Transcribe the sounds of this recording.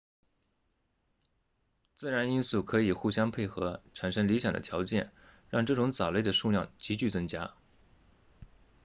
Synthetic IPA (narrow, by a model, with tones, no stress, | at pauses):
t͡sɹ̩˥˩ɻa˧˥ni˥nsu˥˩kʰɤ˧˥i˨˩xu˥˩ɕjɑ˥ŋpʰe˥˩ɪxɤ˧˥ʈ͡ʂʰa˨˩nʂɤ˥ŋli˧˥ɕjɑ˨ŋd̪ə̰˦t̪ʰjɑ˧˥ʊt͡ɕjɛ̰˥˧˩n | ɻɑ˥˧ŋʈ͡ʂɤ˥˩ʈ͡ʂʊ˧˥ŋt͡sɑ˨˩ʊle˥˩d̪ə˩ʂu˥˧ljɑ̰˥˩ŋt͡ɕi˧˥t͡ɕy˥˩t͡sɤ˥ŋt͡ɕja˥